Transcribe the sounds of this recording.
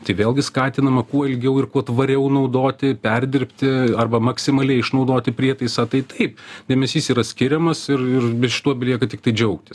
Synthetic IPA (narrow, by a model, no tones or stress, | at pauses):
t̪ɐɪʋʲeːlˠɡʲɪskɑːt̪ʲɪnɐmɐkuɔɪlʲɡʲɛʊɪrkuɔt̪ʋɐɾʲɛʊnɐʊd̪oːt̪ʲɪpʲɛrʲd̪ʲɪɾʲpʲt̪ʲɪɐrbɐmɐksʲɪmɐlʲɛɪɪʃnɐʊd̪oːt̪ʲɪpʲɾʲiɛt̪ɐɪsɑːt̪ɐɪt̪ɐɪpd̪ʲeːmʲɛsʲiːsiːɾɐsʲkʲɪɾʲɛmɐsɪrɪrbʲɪʃʲɪ̥t̪uɔbʲɛlʲiɛkɐt̪ʲɪkt̪ɐɪd͡ʒʲɛʊkt̪ʲɪs